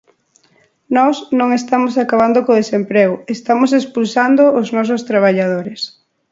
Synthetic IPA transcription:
nɔsnõŋest̪amosakaβ̞and̪okoðesempɾeɣʊest̪amʊsespulsand̪oːznɔs̬ʊst̪ɾaβ̞aʎaðoɾes

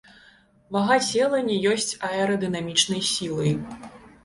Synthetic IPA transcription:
vɐɣasʲɛlˠɐnʲɛjɔsʲt͡sʲɐɛɾɐd̪ɨnamʲit͡ʂnɐjsʲilˠɐj

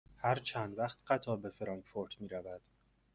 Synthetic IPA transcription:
hæɾt͡ʃʰænd̪væχt̪ɢ̥æt̪ʰɒːbe̞feɾɒːŋkfoɾt̪miːɾævæd̪̥

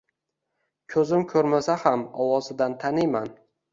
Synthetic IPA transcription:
kʲʰɵzɪmkʲʰɵɾmasahamɒwɒzɪd̪ant̪ʰanɪjman

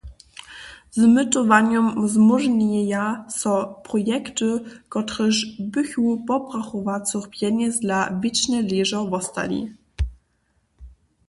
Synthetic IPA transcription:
zmɘt̪ɔvaɲɔmvzmuʐɲʲɛjasɔ̃pɾɔjɛkt̪ɨkɔt̪ɾɘʐbɘxupɔpʁaxɔvat̪suχpʲjɛɲɛzd̪lavʲit͡ɕnɛlʲiʐɔvɔst̪a̰lʲḭ

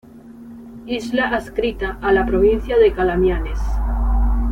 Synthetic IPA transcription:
izlaʔaskɾit̪aʔːlapɾoβ̞in̟θjaðekalamjanes

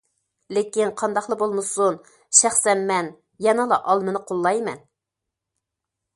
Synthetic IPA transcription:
lekʲinqʰɑnd̪ɑχlˠəbolˠmɨsun | ʃæχsɛnmɛn | jɛnɑlˠɑʔɑlˠmɨnɨqʰolˠːɑjmɛ̰n

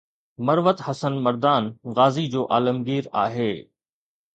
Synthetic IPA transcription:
mɐɾʋət̪hɐsənmɐɾd̪aːnɣaːzid͡ʑoːʔaːləmɡiːɾa̰ːɦeː

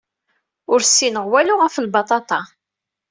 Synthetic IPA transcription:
ʊɾsːinəʁwæluʁəfəlbɑt̪ˤɑt̪ˤɑ

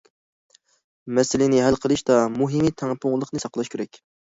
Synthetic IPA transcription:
mɛsɪlɪnɪɦælqʰəlˠɨʃd̪ɑmuɦɨmit̪ʰæŋpʰʊŋlˠəqnɨsɑqlˠɑʃkʲʰeɾɛkʲ

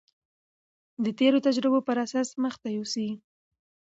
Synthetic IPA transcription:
d̪ət̪eɾot̪ad͡ʒɾɪbopəɾasasməxt̪ajosi

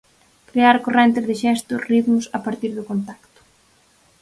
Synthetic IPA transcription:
kɾeaɾkorɛnt̪ɪzðɪʃɛst̪ʊriðmʊsɐpaɾt̪iɾðʊkont̪akt̪ʊ̥

